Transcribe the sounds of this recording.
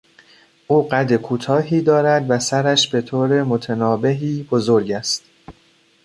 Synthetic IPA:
ʔuːɢæd̪ekʰuːt̪ʰɒːɦiːd̪ɒːɾæd̪væsæɾæʃbe̞t̪ʰoːɾe̞mo̞t̪ʰenɒːbe̞ɦiːbo̞zo̞ɾɟæst̪

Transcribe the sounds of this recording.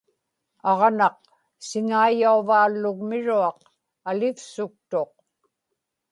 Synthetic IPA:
ɑʁnɑq | sɪŋaijauvaːlːʊɣmɪɻuɑq | alɪfsʊk̚t̪oq̚

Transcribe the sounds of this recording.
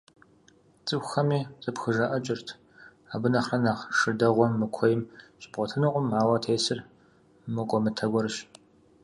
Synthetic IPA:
t͡sʼɨxɐmiːt͡sʼɨpxɨʒɐʔɐt͡ʃʼɪrtʰ | aːbɨnɐχrɐnaːʁʂɨdɐʁʷɔmːɨkʷʰɔjɪmɕʼbʁʷɔtʰɨnɨqʷʼʊmaːwɐtʰeːsɨr | mɨqʷʼɔmɨtʰɐɡʷɔɾɨʃ

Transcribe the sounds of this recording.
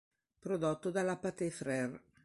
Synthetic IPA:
pɾod̪ot̪ːod̪alapat̪efɾɛr

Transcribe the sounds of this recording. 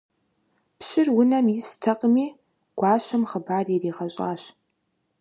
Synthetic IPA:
pɕɪrwʊnɐmjɪstʰɐqʼmiː | ɡ̥ʷɑːɕɐmχəbaːririːʁɐɕʼa̰ːɕ

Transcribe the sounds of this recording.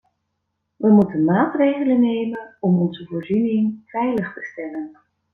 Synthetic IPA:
ʋəmutənmaːtrejχələnejmənɔmɔnzəvoːɹzynɪŋvɛjləχtəstɛlən

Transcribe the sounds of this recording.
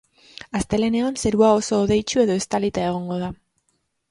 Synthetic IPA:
ast̪e̞le̞ne̞onse̞ɾuao̞so̞ːðe̞jt͡ʃue̞ðo̞e̞st̪alit̪aeɣ̞o̞ŋɡo̞ð̞a

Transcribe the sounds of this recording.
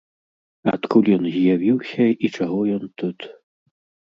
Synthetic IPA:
a̰t̪kulʲjɔnzʲjavʲiwsʲɐit͡ʂaɣɔjɔnt̪ut̪

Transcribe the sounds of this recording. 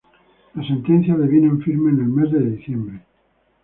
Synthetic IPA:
lasẽnt̪enθjaðeβjinẽɱfiɾmenelmezðeðiθjembɾe

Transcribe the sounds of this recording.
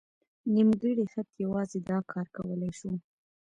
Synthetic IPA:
nimɡəɽixat̪jawɑzed̪ɑkʰɑɾkawəlajʃu

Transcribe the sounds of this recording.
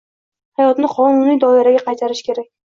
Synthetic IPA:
hajɒt̪nɪqʰɒnʊnijd̪ɒɪɾaɡʲaqʰɑjt̪ʰaɾɪʃkʲʰe̞ɾak̚ʲ

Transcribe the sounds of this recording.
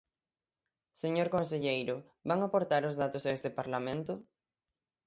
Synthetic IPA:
seɲoɾkonseʎejɾʊ | baŋapoɾt̪aɾʊzðat̪ʊsaest̪ɪpaɾlamẽnt̪ʊ

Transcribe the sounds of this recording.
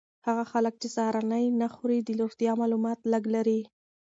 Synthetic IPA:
haɣaxalək̚t͡ʃesɑhɾɑnəjnaxuɾid̪əloxt̪jɑmɑlumɑt̪laɡlaɾi

